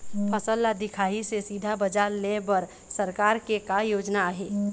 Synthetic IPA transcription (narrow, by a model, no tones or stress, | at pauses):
pʰəsəlːad̪ikʰaisesid̪ʱabəd͡ʒaɾlebəɾ | səɾkaɾkekajod͡ʒnaːɦe